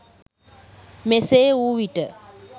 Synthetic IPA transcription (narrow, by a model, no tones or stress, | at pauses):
meseuʋiʈə